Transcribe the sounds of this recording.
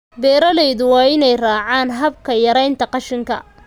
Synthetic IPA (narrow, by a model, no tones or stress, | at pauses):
bɛːɾɐlɛjðʊwɑːɪnɛjraːʕaːnɦɐbkʰɐjɐɾɛjnt̪ʰɐqɑʃɪŋkʰɐ̰